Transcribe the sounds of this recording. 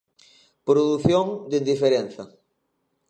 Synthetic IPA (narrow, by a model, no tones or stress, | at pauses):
pɾoðuθjoŋd̪eind̪ifeɾẽnθɐ